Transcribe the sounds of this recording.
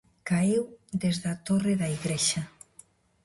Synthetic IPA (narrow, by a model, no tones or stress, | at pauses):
kaiwd̪ezðat̪oreðaiɣɾeʃa